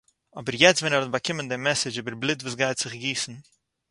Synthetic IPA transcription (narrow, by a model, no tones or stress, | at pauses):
ɔbəɾjɛt͡stvɛnɛɾɔtbakɪməndɪmɛsɪd͡ʒiːbəɾblˠɪtvuːsɡaɪtz̥ɪχɡiːsn̩